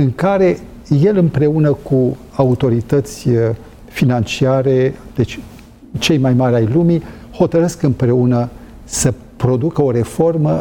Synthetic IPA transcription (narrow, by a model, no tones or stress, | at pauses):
ɨŋkaɾe̞ | je̞lɨmpɾe̞unəku | aut̪o̞ɾit̪ət̪sʲ | finant͡ʃiaɾe̞d̪̥et͡ʃʲ | t͡ʃe̞jmajmaɾʲajlumi | ho̞t̪əɾɨskɨmpɾe̞unə | sə | pɾo̞d̪ukəo̞ɾe̞fo̞rmə